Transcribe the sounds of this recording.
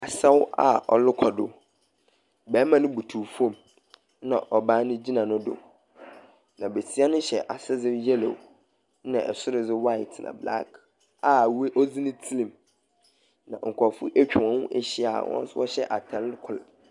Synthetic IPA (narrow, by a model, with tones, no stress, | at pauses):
a˨sɛ˦wa̰˨ɔ̰˨lɪ˦kʰɔ˨dʊ˦ | bɛ˨˦mã˦nʊ̃˦bu˨tʰu˨fõ˦˨m˦ | nã˨ʔɔ˨bãː˦nʊ̃˦d͡ʑi˦nã˨nʊ̃˦dʊ̰˨ | nã˨be˨si˦a˦nʊ̃˦ɕɛ˨ʔa˨sɪ˦d͡zɪ˦jɛ˦lo̰˨w | nã̰˨ʔɛ˨sʊ˦ɾɪ˨d͡zɪ˦wa˦ɪ˨tʰnã̰˨bla̰˦k | a˨we˦ʔɔ˦d͡zi˦nɪ̃˦tʰi˦lĩ˨m | nã̰˨ŋ̩˨kʰɔ˨fʊ˦ʔɛ˦t͡ɕᶣɪ˨wɔ̃˨wʊ̃˦ʔe˦ɕi˦a̰˨wɔ̰̃˦n˦swɔ˦ɕɛ˦ʔa˨tʰã˦lkʰʊ˨l